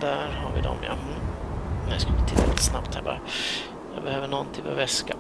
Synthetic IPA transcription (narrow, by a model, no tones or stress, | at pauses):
d̪æɾɦaɾvɪd̪ɔ̰mja̰m̩nɛskamt̪ʰɪt̪ːɛɛlt̪snapt̪hæːbɑ̰ɾ | jɑːbɛhøːvəɳɔnːt̪ʰɪvɔ̰ɾvɛska